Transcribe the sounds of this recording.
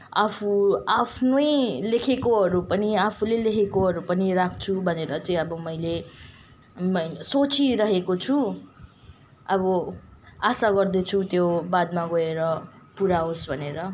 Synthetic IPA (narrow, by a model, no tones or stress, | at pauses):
apʰuapʰnojlekʰekoɦʌɾupʌniapʰulelekʰekoɦʌɾupʌniɾakʰt͡sʰubʱʌneɾʌt͡sʌĩʌbʌmʌjle | mʌsot͡siɾʌɦekot͡sʰu | ʌbʌ | asaɡʌrd̪et͡sʰut̪jobad̪maɡʌeɾʌpuɾaosbʱʌneɾʌ